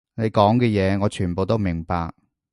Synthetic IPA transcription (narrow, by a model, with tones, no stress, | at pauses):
ne˨˧jkɔː˨˥ŋkɛː˧jɛː˨˧ŋɔː˨˧t͡ʃʰyː˨˩npo˨˧wt̪o˥wmɪ˨˩ŋpaː˧k̚